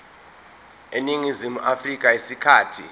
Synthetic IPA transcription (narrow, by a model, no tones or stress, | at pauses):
eniŋizimuʔafrik̬ʼaisikʰaːtʰḭ